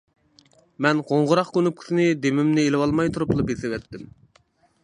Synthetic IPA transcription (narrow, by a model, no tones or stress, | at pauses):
mɛnqoɴʁʊɾɑχkʲʰønup̚kʲʰi̥sɪnɪd̪emɪmnɪelɨwɑlˠmɑjt̪ʰuɾuplˠɨpesɪwɛt̪ːɪm